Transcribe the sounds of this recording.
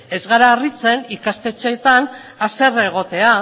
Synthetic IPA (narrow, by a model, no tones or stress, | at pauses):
e̞zɣaɾaːrit͡se̞nikast̪e̞t͡set̪an | ase̞re̞ɣ̞o̞t̪e̞a